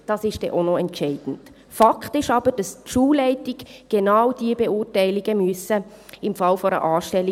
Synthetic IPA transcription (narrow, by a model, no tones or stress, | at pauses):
d̥ɑsɪʃd̥ɛ̰ʔonoɛntt͡ʃɛɪd̥n̩t | fɑkʰtɪʃɑb̥əɾd̥ɑstʃuːlɛɪtɪɡ̥ɡ̥ɛnaʊd̥iəbeʊːrtæɪliɡəmyəsə | ɪmfɑlfɔɾə̰ʔɑːʃtɛlːi